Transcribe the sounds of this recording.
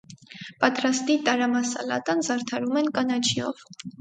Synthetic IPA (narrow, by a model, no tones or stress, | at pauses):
pɑt̪ɾɑst̪it̪ɑɾɑmɑsɑ̰lɑ̰t̪ɑnzɑɾt̪ʰɑɾumɛnkɑnɑt͡ʃʰiɔ̰v